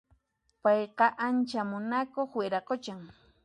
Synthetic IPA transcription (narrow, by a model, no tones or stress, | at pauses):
pɑjqɑʔant͡ʃamʊnakoχweɾaqot͡ʃaŋ